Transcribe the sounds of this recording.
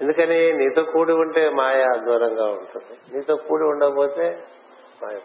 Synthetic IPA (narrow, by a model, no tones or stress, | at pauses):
end̪ukɐneniːt̪oːkuːɽiuɳʈeːmaːjɐːd̪ʋɐɾɐŋɡaːuɳʈund̪iniːt̪oːkuːɽiuɳɖɐboːt̪eː | maːjɐ